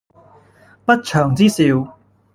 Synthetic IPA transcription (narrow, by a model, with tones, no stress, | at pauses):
pɐ˥t̚t͡ʃʰœː˨˩ŋt͡siː˥siː˧w